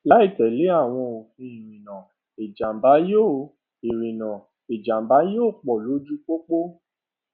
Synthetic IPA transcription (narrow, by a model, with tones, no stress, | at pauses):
la˨˦i˦˨tɛ˨le˨˦a˦˨w̃ɔ̃˧o˨fĩ˧i˨ɾĩ˨nã˨ | e˨d͡ʒa˨m˨ba˨˦jo˦˨ | e˨ɾĩ˨nã˨ | e˨d͡ʒa˨m˨ba˨˦joː˦˨k͡pɔ˨lo˨˦d͡ʒu˦k͡po˦k͡po˦